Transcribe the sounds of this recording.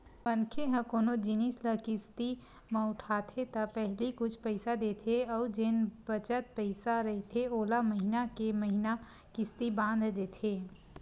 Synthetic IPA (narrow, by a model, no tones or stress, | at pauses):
pənkʰeɦə̃koːnod͡ʒɪnisləkɪst̪i | mẽʊʈʰat̪ʰet̪əpɛɦlikʊt͡ʃʰpəɪsad̪eːt̪ʰeɔːɾd͡ʒenbət͡ʃət̪̚pəɪsaɾəɦit̪ʰeoːlaməɦinakeməɦina | kɪst̪ibãːnd̪ʱd̪eːt̪ʰeː